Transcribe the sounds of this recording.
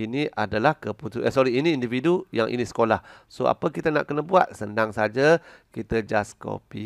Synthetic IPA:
inĩʔadalahkəput̪uəsɔɾiiniːndividujaŋʔḭnĩsə̥kolahsoa̰pəkit̪əna̰ʔkənəbua̰t̪̚səndaŋsad͡ʒakit̪əd͡ʒasko̰pi

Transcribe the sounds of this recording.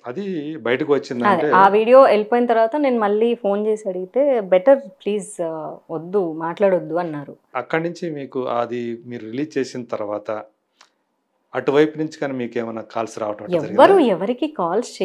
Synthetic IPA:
ɐd̪ibɐjɐʈɐkiʋɐt͡ʃːind̪ɐɳd̪eːaːʋiːɽijo̞ːelpoːjinɐt̪̬ɐɾʋaːt̪ɐne̞ːnumɐɭːiːpʰo̞ːnt͡ʃeːsiɐɽuɡit̪e̞ːbɛʈɐɾpliːzʋod̪ːumaːʈlaːɽod̪ːuɐnːaːɾuɐkːɐɽnuɲt͡ʃimiːkuɐ̰d̪imiːɾuɾiliːd͡ʒt͡ʃeːsinɐt̪ɐɾuʋaːt̪ɐ | ɐʈuʋɐjpunuɲt͡ʃi̥kaːniːmiːkeːmɐjnːaːkaːlsɾaːʋɐʈɐ̃mɐɐɛɐɾiɡiʋɐɾuɛʋɐɾikikaːlst͡ʃe

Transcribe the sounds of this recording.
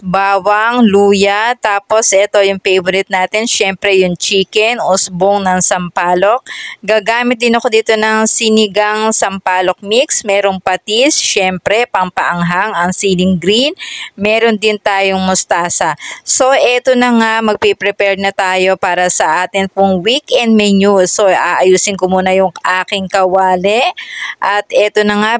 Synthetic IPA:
baːwɐŋluːjɐt̪aːpo̞sʔɛt̪o̞jʊŋfejvoɾɪt̪̚naːt̪ɪnʃɛmpɾɛjʊŋt͡ʃiːkɛnʔʊsboŋnɐŋsɐmpaːlo̞k̚ɡaːɡaːmɪt̪̚d̪ɪnɐkod̪iːt̪o̞nɐŋsɪnɪɡaŋsɐmpaːlo̞k̚miksmɛːɾo̞ŋpɐt̪isʃɛmpɾɛpɐŋpɐʔɐŋɦaŋɐŋsilɪŋɡɾinmɛːɾo̞nd̪ɪnt̪aːjo̞ŋmʊst̪aːsɐso̞ʔɛt̪onɐŋamɐɡ̚pɛpɾɛpɛɹnɐt̪aːjo̞paːɾɐsɐʔaːt̪ɪnpʊŋwikɛnd̪̚mɛnusoʔaːʔɐjuːsɪnkomuːnɐjʊŋʔaːkɪŋkɐwaːlɛʔɐt̪ʔɛt̪o̞nɐŋa

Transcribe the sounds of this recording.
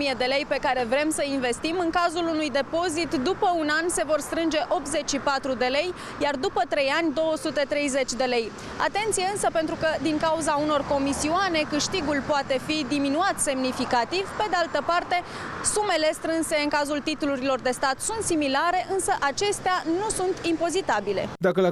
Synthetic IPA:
ijed̪e̞le̞jpe̞kaɾe̞vɾe̞msəinve̞st̪imɨŋkazulunujd̪e̞po̞zit̪d̪upəunanse̞vo̞rst̪ɾɨnd͡ʒe̞ʔo̞p̚t̪ze̞t͡ʃʲʃipat̪ɾud̪e̞le̞j | jard̪upət̪ɾe̞janʲd̪o̞wəsut̪e̞t̪ɾe̞jze̞t͡ʃʲd̪e̞le̞j | a̰t̪e̞nt̪sijeɨnsəpent̪ɾukəd̪iŋkauzauno̞rko̞misiuane̞kɨʃt̪iɡulpoat̪e̞fid̪iminuat̪se̞mnifikat̪ivpe̞d̪ealt̪əpart̪e̞ | sume̞le̞st̪ɾɨnse̞ɨŋkazult̪it̪uluɾilo̞rd̪e̞st̪at̪sunt̪similaɾe̞ʔɨnsəʔat͡ʃe̞st̪eanusunt̪impo̞zit̪abile̞̰d̪akəla

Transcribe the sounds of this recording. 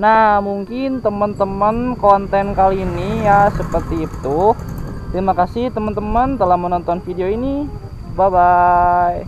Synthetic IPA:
nahmuŋkɪnt̪əmənt̪əmənkɔnt̪ɛnkalinijasəpərt̪it̪ʊht̪ɾimakasiht̪əmənt̪əmənt̪əlahmənɔnt̪ɔnfideoini | babaj

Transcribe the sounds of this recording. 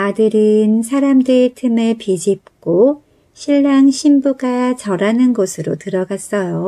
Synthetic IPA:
adɯɾɯnsʰaɾamdɯɾetʰɯmɯɭpid͡ʑip̚k͈o | ɕʰiɭːaŋɕʰimbuɡat͡ɕʌɾanɯnɡʌsʰɯɾotɯɾʌɡas͈ʌjo

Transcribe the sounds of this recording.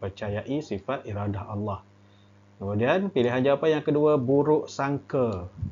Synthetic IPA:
pərt͡ʃajaʔisifat̪̚ʔiɾadahʔalːɑh | kəmudianpiliɦand͡ʒawapanjaŋkəduəbuɾʊʔsaŋkə

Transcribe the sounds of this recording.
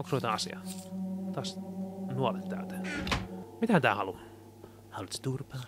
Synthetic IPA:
oksot̪ɑɑsḭɑ̰t̪ɑːˑsnuolet̪t̪ːæ̰ˑːt̪æ̥ | mit̪æt̪æːhɑlu | hɑolut̪st̪urpɑ

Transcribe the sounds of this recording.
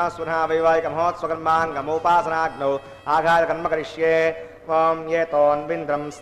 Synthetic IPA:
aswɐnaːʋɐjʋaːjikɐmɐɦoːt̪sʋɐɡɐɾmaːŋɡɐmoːpaːsɐnaːɡnoː | aːɡʱaːɾɐkɐnmɐkɐɾiʃjeː | jeːt̪oːnʋind̪ɾɐms

